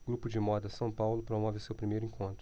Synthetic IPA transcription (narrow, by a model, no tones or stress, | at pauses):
ɡ̥ɾupʊd͡ʒɪmɔd̪ɐsɐ̃w̃pawlʊpɾomɔvɪʊsewpɾimejɾʊĩkʰõnt̪ɾʊ